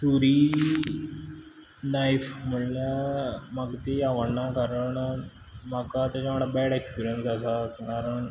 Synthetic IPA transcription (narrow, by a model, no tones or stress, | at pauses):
suɾiː | najfməɳlamaɡt̪iaʋəɽɳakaɾəɳ | makat̪at͡ɕamaɽabɛɽekspiɾijənsasakaɾəɳ